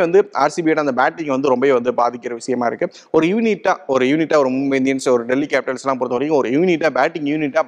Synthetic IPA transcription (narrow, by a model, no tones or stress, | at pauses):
ʋɐnd̪ɯa̰ːɾsibiɛɾãɐnd̪ɐbaːʈːɪŋɡʋɐnd̪ɯɾɔmbɐeːʋɐnd̪ɯbaːðɪkːɪɾɐʋɪʂɐjɐmaːɪɾɯkːɯ | ɔɾɯjuːnɪʈːaːɔɾɯjuːnɪʈːaːɔɾɯmʊmbɐɪnd̪ɪjɐnsɔɾɯɖɛlːikaːpɪʈɐlsɛlːãːp̬ɔːɾt̪ɐːɾĩŋɡɐɔɾɯjuːnɪʈːaːbaːʈːɪŋjuːnɪʈːaː